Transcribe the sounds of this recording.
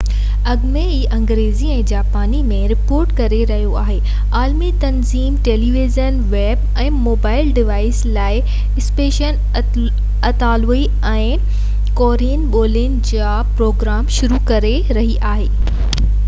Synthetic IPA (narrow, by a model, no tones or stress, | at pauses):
ɐɡmeiːʔɐ̃ŋɡɾeːziɛ̃ːd͡ʑaːpaːnimẽɾɪpoːɾʈkɐɾeɾɐɦijoaːɦeː | aːlmit̪ɐnziːmʈeːliːʋizənʋeːb | ɛ̃ːmoːbaːɪlɖɪʋaːɪslaːɪ | ɪspeːʃən | ɐt̪aːloi | ɛ̃ː | koːɾinɓoːlɪnd͡ʑaːpɾoːɡɾaːmʃʊɾukɐɾe | ɾɐɦiʔaːɦeː